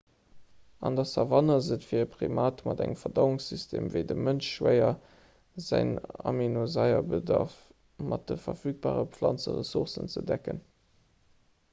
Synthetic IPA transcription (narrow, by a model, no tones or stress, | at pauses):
ɑndɑsɑvɑnɐzətfiːɐəpʁimaːtmɑdæŋəfɐdɑʊʊŋsystʰeːmvəɪdəmənʃʃwəɪɐ | zæɪnɑ̰minozɑɪɐbədɑʁf | mʔɑt̚dəfɐfyːk̚b̥aːʁəpflɑnt͡səʁəsuʁsənt͡sədækən